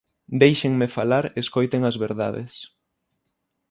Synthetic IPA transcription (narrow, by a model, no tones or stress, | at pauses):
d̪ejʃeŋmefalaɾeskojt̪eŋɐzβeɾðaðḛs